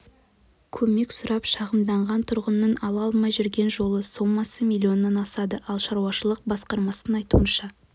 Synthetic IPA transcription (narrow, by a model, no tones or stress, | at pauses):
kʲʰɵme̞ksʊɾʔɑpʃɑʁəmd̪ɑɴʁɑnt̪ʰʊɾʁənːəɴɑlˠɑlˠmɑjʒʏɾɡʲe̞nʒo̞lˠəso̞mːɑsəmʲilʲːio̞nːɑnɑsɑd̪əʔɑlˠʃɑɾuɑʃəlˠəq̚bɑsqɑɾmɑsənɑjt̪ṵənʃɑ